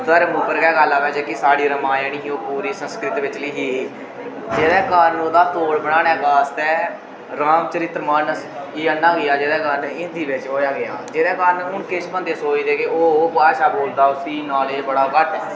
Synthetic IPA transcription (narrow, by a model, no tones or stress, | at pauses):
t̪əɾmuːpəɾkɛːɡəlːaːʋɛːd͡ʒɛːkɪsaːɽiːɾəmãːjəniːɦiːoːpuːɾiːsə̃nskɾɪt̪ʋɪt͡ʃliːɦiː | d͡ʒeːd̪ɛːkənoːd̪aːt̪oːɽbəɽaːnɛːɡaːst̪ɛː | ɾaːmt͡ʃəɾɪt̪ɾmənsiːənːãːɡɪjaːd͡ʒeːd̪ɛːkənɪnd̪iːʋɪt͡ʃɦoːjaːɡɪja̰ːd͡ʒeːd̪ɛːkənʊɳkeʃpənd̪eːsoːiːd̪eːkeoːbaːʃaːboːld̪aːʊsiːnaːleːbəɽaːkəʈʰɛː